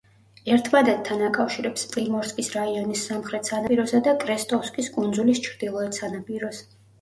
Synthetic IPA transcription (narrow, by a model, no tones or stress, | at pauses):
ɛɾt̪ʰmad̪ad̪̚t̪ʰːanakʼafʃiɾɛpspʼlimɔɾskʼisɾaiɔnisːamχɾɛt̪ʰsanapʼiɾɔsad̪akʼɾɛst̪ʼɔfskʼiskʼund̪zulist͡ʃʰɾd̪̥ilˠɔɛt̪sanapʼiɾɔs